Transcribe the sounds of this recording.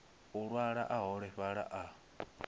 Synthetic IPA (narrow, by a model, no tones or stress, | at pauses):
uɺwaɺa̰ʔaɦɔɺɛɸaɺa̰ʔa